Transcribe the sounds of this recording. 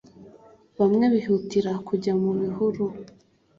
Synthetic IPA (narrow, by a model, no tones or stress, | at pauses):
βamŋe̞βihutiɾakʰuɟamuβihuɾu